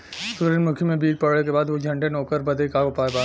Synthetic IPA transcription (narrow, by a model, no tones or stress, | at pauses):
sʊɾənmʊkʰjəmẽbiːɾpɐɽɽekebaːd̪ʋod͡ʒʱɐ̃ɳʈenɔːkəɾbɐd̪ekaːɡopaːebaː